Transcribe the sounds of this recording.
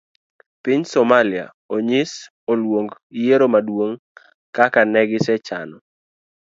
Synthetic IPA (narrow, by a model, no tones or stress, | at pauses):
piɲsɔmalɪa̰ | oɲɪs | olwoŋɡijeɾomadwoŋ | kakanɛɡɪsɛt͡ʃa̰nɔ